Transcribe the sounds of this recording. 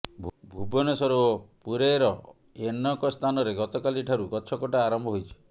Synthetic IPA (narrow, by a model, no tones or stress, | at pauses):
bʱubɔnesɔɾuɔpuɾeɾɔ | enɔkɔst̪ʰanɔɾeɡɔt̪ɔkaliʈʰaɾukɔt͡ʃʰɔkɔʈaːɾɔmbʱɔɦojt͡ʃʰɔ̥